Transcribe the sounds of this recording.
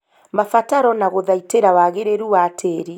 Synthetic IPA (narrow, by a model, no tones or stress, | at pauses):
mafataɾɔnaɣoðaiteɾawaɣeɾeɾuwatʰeːɾi